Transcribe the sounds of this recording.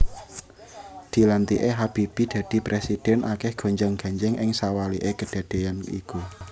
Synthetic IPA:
d̪̥i̤lant̪iʔeɦab̥ib̥id̪̥ä̤d̥i̤pɾesid̥ɛnʔakɛhɡ̥o̤ɲd͡ʒaŋɡ̥a̤ɲd͡ʒɛŋʔɪŋsawaliʔekəɖ̥ä̤d̥e̤janḭku

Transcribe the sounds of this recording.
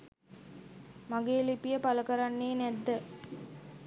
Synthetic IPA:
maɡeːlipijəpaləkəɾanːeːnɛd̪ːə

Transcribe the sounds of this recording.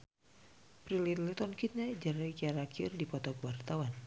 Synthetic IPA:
pɾilit̪lɛt̪ɔnkit̪̚ɲad͡ʒaɾakiaɾakʰirdipɔt̪ɔk̚wart̪awan

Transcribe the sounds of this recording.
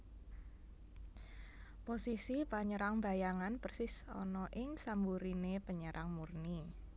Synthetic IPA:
posisipaɲəɾaŋbajaŋanpərsɪsɔ̰nɔʔɪŋsambuɾinepəɲəɾʔaŋmurni

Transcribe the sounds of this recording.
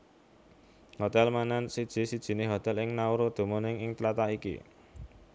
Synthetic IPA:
hot̪ɛlmanansid̥ʒ̥i̤sid̥ʒ̥i̤nɪɦot̪ɛlɪŋnauɾod̪̥o̤monɪŋɪŋt̪əlat̪aʔikḭ

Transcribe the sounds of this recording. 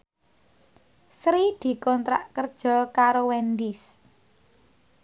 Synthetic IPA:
sɾid̪̥i̤kɔnt̪ɾa̰ʔkərd̥ʒ̥ɔ̤kaɾowɛnd̪ɪs

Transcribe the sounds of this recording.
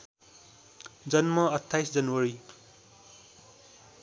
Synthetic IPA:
d͡zʌnmʌʌt̪ʰːajsd͡zʌnwʌɾi

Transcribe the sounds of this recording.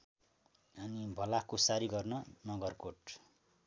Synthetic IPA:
ʌnibʱʌlakosaɾiɡʌrnʌnʌɡʌrkoʈ

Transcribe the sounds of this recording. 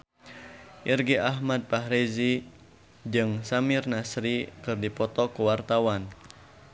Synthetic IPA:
ʔirɡiʔaɦmad̪̚paɦɾizi | d͡ʒɨŋsamɪrnasɾikɨrdipɔt̪ɔkuwart̪awan

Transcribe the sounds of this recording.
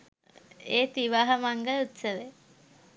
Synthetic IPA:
eːt̪iʋaɦɐmaŋɡəut̪səʋe

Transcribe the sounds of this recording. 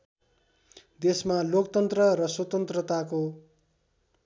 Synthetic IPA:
d̪esmalokt̪ʌnt̪rʌɾʌswʌt̪ʌnt̪rʌt̪ako

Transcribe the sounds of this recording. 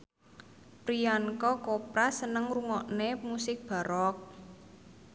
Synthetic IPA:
pɾiankɔkopɾasənəŋruŋɔʔnemusɪk̚b̥a̤ɾɔk̚

